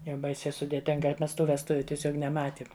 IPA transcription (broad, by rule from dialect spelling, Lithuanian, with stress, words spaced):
jɛʊ ˈbɐɪsʲɛɪ sʊdʲeːˈtʲɪŋɡɐ ˈmʲɛs ˈtuː ʋʲɛsˈtʊʋʲʊ tʲiɛˈsʲoːk nʲɛˈmɑːtʲiɛm